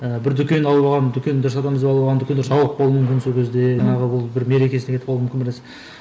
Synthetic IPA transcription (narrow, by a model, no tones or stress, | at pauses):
əbɪɾd̪ʏkʲe̞nɑlˠbɑʁɑnd̪ʏkʲʰe̞nd̪ʏɾɪsɑd̪ɑməzd̪eɑlˠʁɑnd̪ʏk̪ʲeʒɑwˠəq̚bolˠumʏmkʲɪnso̞lkʲʰe̞zd̪e̞ʒɑɴɑʁəwʊlˠbɪɾme̞ɾekʲe̞snekʰt̪ɪpɑlˠumkʲɪnbɪles